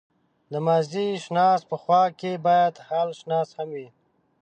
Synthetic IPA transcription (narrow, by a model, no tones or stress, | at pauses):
d̪əmaziʃnɑspəxwɑkebɑjad̪halʃnɑshamwi